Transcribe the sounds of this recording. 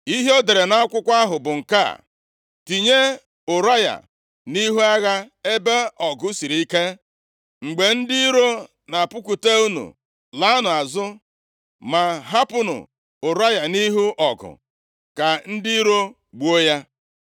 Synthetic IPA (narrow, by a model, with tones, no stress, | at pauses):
i˦ɦe˦o˦de˨ɾe˨na˦kʷʊ˦kʷa˦ɦʊ˨bʊ˨ŋ̩˨ka̰˦˨ | ti˨ɲe˦ | ʊ˨ɾa˦ja̰˨ | ni˦ɦu˦a˦ɣa˦e˦be˦ɔ˨ɡʊ˦si˨ɾi˨i˦ke˦ | ŋ͡m̩˨ɡ͡be˨n̩˦dɪ˦i˦ɾo˦ | na˨pʊ˦ku˨te˦u˦nṵ˨ | la˨˦a˦nʊ˨a˨zʊ˦ | ma˨ɦa˦pʊ˦nʊ̰˨ | ʊ˨ɾa˦ja˨ni˦ɦu˦ʔɔ˨ɡʊ̰˨ | ka˨n̩˦dɪ˦i˦ɾo˦ | ɡ͡bu˦o˦ja˦